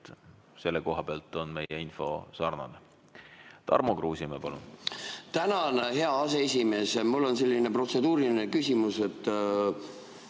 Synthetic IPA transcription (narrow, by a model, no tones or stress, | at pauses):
se̞lːeko̞ɦɑb̥eɑlt̪ːˑonme̞jeinfo̞sɑrnɑ̰ne | t̪ɑ̰rmokruːsimepɑlṵnt̪ænɑnɦe̞ɑɑse̞esʲime̞ːsmulːo̞nse̞lʲːinepro̞t̪se̞d̪uːɾinekysʲimuse̞t̪ːˑ